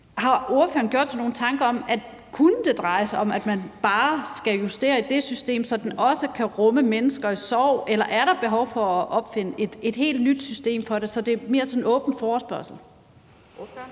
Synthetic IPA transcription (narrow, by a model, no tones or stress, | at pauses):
hɑ̈o̝ɐfø̰ːɐn̩ɡ̥o̝̰d̥sɑno̝ːn̩t͡sʰɑ̈ŋɡ̥ɐɒ̽mæd̥ | kʰunəd̥e̝d̥ʁɑ̈ɪsɒ̽mæd̥mænb̥ɑ̈ːsɡ̥æjusd̥e̝̰ːɐid̥e̝sysd̥e̝̰ːmsɒ̽d̥enɒ̽səkʰæʁɔ̽məmenəsɡ̥ɐisɒʊ̰elɐʔæɐɾɑ̈b̥e̝ɦɒʊfɒ̽ɒʔɒ̽b̥fe̝nəʔe̝d̥e̝d̥he̝̰ːld̥nyd̥sysd̥e̝̰ːmfɒ̽ɾe̝sɒ̽d̥e̝me̝ːɐsɒ̽nnɔ̽ːb̥n̩fɒːsb̥ɶɐsl̩